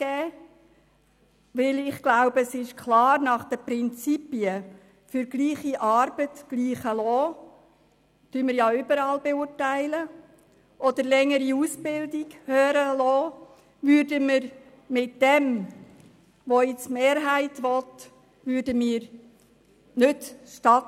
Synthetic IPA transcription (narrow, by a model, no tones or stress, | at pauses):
ɡ̥ɛː | ʋɪlɪχɡ̥laʊbəsɪʃkʰlɑːɾnɑχd̥̪əpɾɪnt͡sipiə | fʏɾɡliːχiʔɑɾbətɡ̥liːχəlɔː | tyməɾjɑʏbəɾɑːlbeʊːɾtæɪlə | ʔɔd̪əɾlɛŋːəɾiusb̥ɪldɪɡhøːɾəlɔː | ʋʏːɾdəməɾ | mɪtdɛm | ʋoɪt͡smeːɾɦæɪtʋɔt | ʋʏːɾdəmiːɾ | nʏtʃtɑt